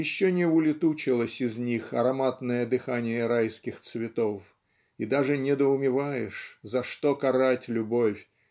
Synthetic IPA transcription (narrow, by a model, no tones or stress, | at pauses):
ɪɕːonʲɪʊlʲɪt̪ut͡ɕɪlˠəsʲɪznʲixɐɾɐmat̪nəjəd̪ɨxanʲɪjəɾajskʲɪxt̪svʲɪt̪of | id̪aʐɨnʲɪd̪əʊmʲɪvajɪʂzɐʂt̪okɐɾatʲlʲʊbofʲ